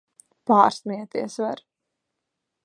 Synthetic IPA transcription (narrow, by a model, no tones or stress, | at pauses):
paːɾsniɛt̪iɛsvaɾ